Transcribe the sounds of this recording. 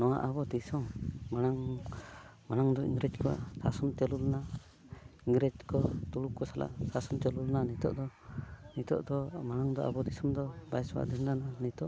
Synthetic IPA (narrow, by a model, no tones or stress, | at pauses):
nɔwa̰ʔabɔd̪isɔmːaɽ̃aŋ | maɽ̃aŋd̪ɔḭŋɡɾɛd͡ʒkɔa̰ʔsasɔmt͡ʃɛlulna | iŋɡɾɛd͡ʒkɔt̪uɽukːɔsala̰ʔsasɔmt͡ʃ̪ɛlulnanit̪ɔ̰ʔd̪ɔnit̪ɔ̰ʔd̪ɔmaɽaŋd̪ɔa̰bɔd̪isɔmd̪ɔbajswa̰ʔd̪ɛndananit̪ɔʔ